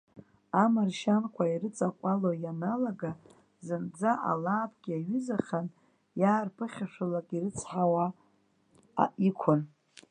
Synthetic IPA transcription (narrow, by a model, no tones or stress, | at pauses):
amarʃankʷʰairɨt͡sʼaqʷʼalojanalaɡa | zɨnd͡zaʔa̰laːpʰɡ̥ʲiaɥʏzaχʲan | jaːrpʰɨχʲaʃʷᶣalakʼirɨt͡sʰħawa | a̰ʔikʷʰʊn